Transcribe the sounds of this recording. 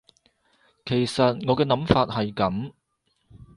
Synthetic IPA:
kʰe˨˩jsɐ˨t̚ŋɔː˨˧kɛː˧nɐ˨˥mfaː˧t̚hɐ˨jkɐ˨˥m

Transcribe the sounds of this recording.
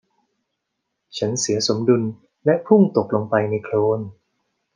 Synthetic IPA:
t͡ɕʰa˦˥nsi˩˦ɐso˩˦mdu˧n | lɛ˦˥ʔpʰu˥˩ŋt̪o˨˩k̚lo˧ŋpa˧jna˧jkʰloː˧˥n

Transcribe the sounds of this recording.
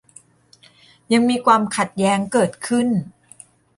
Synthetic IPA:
ja˧ŋmiː˧kʰwaː˧mkʰa˨˩t̪̚jɛː˦˥ŋkɤː˨˩t̪̚kʰɯ˥˩n

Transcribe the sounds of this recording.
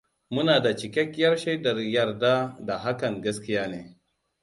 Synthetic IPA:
mʊ˦naː˨da˨t͡ʃɪ˨kʲɛ˦kʲjɐ˦rʃɐ˦jdɐ˨rjɐ˨rda˦da˨ɦa˦kɐ˨ŋɡɐ˦skʲɪ˦jaː˦neː˦

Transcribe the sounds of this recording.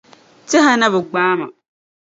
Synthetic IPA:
t͡ʃɛ˦ɦa˦na˦βɨ˨ɡ͡baː˦ma̰˨

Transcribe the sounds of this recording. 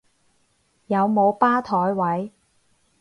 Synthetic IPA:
jɐ˨˧wmo˨˧wpaː˥t̪ʰɔː˨˥jwɐ˨˥j

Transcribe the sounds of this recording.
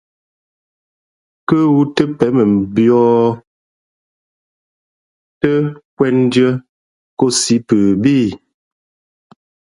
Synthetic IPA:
kə˦wu˦tə˦pɛ˨˦mə˨m̩˨bjɔː˦ | tə˦kwɛ˦n˦djə˦ | ko˦si˨˦pə˨biː˦˨

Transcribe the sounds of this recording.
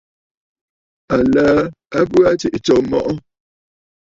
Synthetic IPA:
a˨laː˦ | a˦p̬u˦a˦t͡ʃi˨ʔt͡ʃɔ˨mɔ̰˦ʔɔ˦

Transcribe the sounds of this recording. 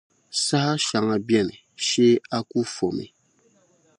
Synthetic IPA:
sa˦ha˦ʃa˨ŋa˨bjɛ˦nɪ˨ | ʃe˦a˦ku˦fo˨mḭ˨

